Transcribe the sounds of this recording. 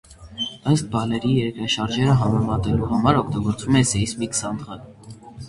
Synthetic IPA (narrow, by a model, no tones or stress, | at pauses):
ɑjst̪̚bɑlɛɾijɛɾkɾɑʃɑɾʒɛɾəɦɑmɛmɑt̪ɛluɦɑmɑɾɔkʰt̪ɑɡɔɾt͡sumɛsɛismikə̥sɑnd̪ʁɑl